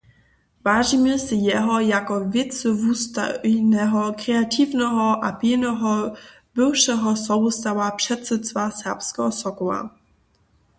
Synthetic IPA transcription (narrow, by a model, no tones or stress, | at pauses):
vaːʒimɛsɪjɛɦɔjakɔvʲjɛt̪sɪvust̪a̰nɛɦɔkɾɛat̪ʰivnɛɦɔʔapinɛɦɔ | bɪwʃɛɦɔsɔust̪awapʂɛt̪sɛt̪st̪vasɛpskɛ̰ɦɔsɔkɔla̰